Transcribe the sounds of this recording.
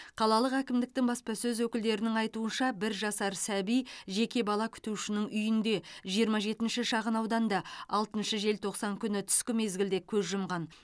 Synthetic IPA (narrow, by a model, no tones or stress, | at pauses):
qʰɑlˠɑlˠəqækʲɪmd̪ɪk̚t̪ɪŋbɑspɑsɵzwɵkʲɪld̪e̞ɾɪnɪŋɑjt̪uənʃɑbɪɾʒɑsɑɾsæbijʒe̞kʲe̞bɑlˠɑkʲʰʏ̥t̪uʃɪnɪŋʔʏjɪnd̪e̞ʒijəɾmɑʒe̞t̪ɪnʃɪʃɑʁənɑwd̪ɑnd̪ɑɑlˠt̪ənʃəʒe̞lt̪ʰo̞qsɑŋkʲʰʏnɪt̪ʰʏ̥skʲɪme̞zɡʲɪld̪e̞kʲʰɵzʒʊmʁɑn